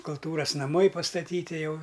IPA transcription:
kʊlˠˈtuːrɐs nɐˈmɐɪ pɐstɐˈtʲiːtʲɪ ˈjɛʊ

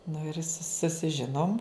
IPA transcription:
nʊ ɪr sʊ sʊsʲɪˈʒʲɪnoːm

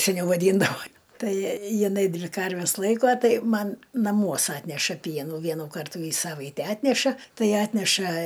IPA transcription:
sʲɛˈnʲɛʊ ʋɐˈdʲiːndɐʋoː ˈtɐɪ jɪˈnɐɪ ˈdʲʋʲɪ ˈkɐrʲʋʲɛs ˈlˠɐɪkuɔ ˈtɐɪ ˈmɐn nɐˈmuɔs ˈɑːtʲnʲɛʃɐ ˈpʲiɛnuː ˈʋʲiɛnuː ˈkɐrtuː iː ˈsɑːʋɐɪtʲɛ ˈɑːtʲnʲɛʃɐ ˈtɐɪ ˈɑːtʲnʲɛʃɐ

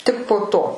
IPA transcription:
ˈtʲɪk poː ˈtoː

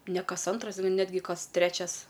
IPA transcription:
nʲɛ ˈkɐs ˈɐntrɐs ˈnʲæːdʲɡʲɪ ˈkɐs ˈtʲrʲæːt͡ʃʲɛs

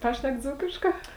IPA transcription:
ˈpɑːʃʲnʲɛk ˈd͡zuːkʲɪʃkɑː

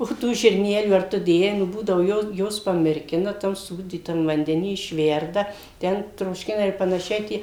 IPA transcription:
oː ˈtuː ʒʲɪrʲˈnʲæːlʲuː ɐr ˈtʊ ˈdʲeːjɛɪ nʊ ˈbuːdɐʋʊ jɛʊ ˈjuɔs pɐmʲɪrʲˈkʲɪnɐ ˈtɐm ˈsuːdʲiːtɐm ʋɐnʲdʲɛˈnʲiː ɪʃʲˈʋʲɛrdɐ ˈtʲɛn troːʃʲˈkʲɪnɐ ɪr pɐnɐˈʃʲɛɪ ˈtʲiɛ

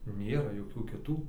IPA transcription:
ˈnʲeːrɐ joːˈkʲuː kʲɪˈtuː

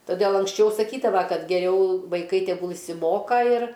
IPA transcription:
toːˈdʲeːlˠ ɐŋksʲˈt͡ʃʲɛʊ sɐˈkʲiːdɐʋɐ ˈkɐt ɡʲɛˈrʲɛʊ ʋɐɪˈkɐɪ tʲɛˈɡʊlˠ ɪʃʲsʲɪˈmoːkɐ ɪr

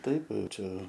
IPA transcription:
ˈtɐɪp ˈt͡ʃʲɛ

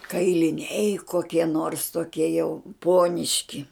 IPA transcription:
kɐɪlʲɪˈnʲɛɪ koːˈkʲiɛ noːrs toːˈkʲiɛ jɛʊ ˈpuɔnʲɪʃʲkʲɪ

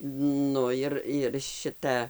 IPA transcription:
ˈnʊ ɪr ɪr ˈʃʲɪtɐ

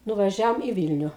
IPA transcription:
nʊʋɐˈʒʲɛoːm iː ˈʋʲiːlʲnʲʊ

